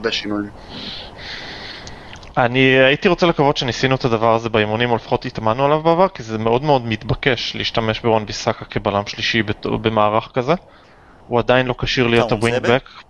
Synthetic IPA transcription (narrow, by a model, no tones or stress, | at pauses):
beʃinujim | aniait̪iʁo̞t͡selekavot̪ʃe̞nisinuetad̪avaʁazebeimunimolefḁχo̞t̪it̪amanːualavbeavaʁkizeme̞o̞dmeo̞dmit̪bake̞ʃliːʃtame̞ʃbeʁanbisakakebalamʃliʃibetbe̞maːʁaχkaze̞ | uad̪ajinlo̞kaʃiʁlijottabiŋɡbek